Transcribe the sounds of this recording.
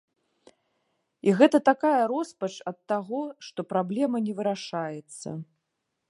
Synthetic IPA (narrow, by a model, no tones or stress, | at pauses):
iɣɛt̪ɐt̪akajɐɾɔspɐt͡ʂɐt̪ːaɣɔʂt̪ɔpɾablʲɛmɐnʲɛvɨɾaʂajɛt̪sːɐ̰